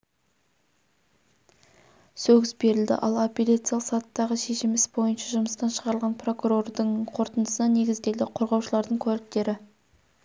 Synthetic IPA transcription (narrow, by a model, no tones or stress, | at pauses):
sɵɡʲɪsbe̞ɾɪld̪ɪ̰ʔɑ̰lˠopʲelʲat̪sɨijalˠsɑt̪ːɑʁəʃe̞ʃɪmɪsbo̞jənʃɑʒʊməst̪ɑnʃəʁɑɾəlˠʁɑnpro̞kuɾo̞rd̪əɴqʰo̞ɾt̪ənd̪əsənɑne̞ɡʲɪzd̪e̞ld̪ɪqʰo̞ɾʁɑwʃəlˠɑɾd̪əɴkʲʰɵælɪk̚t̪e̞ɾɪ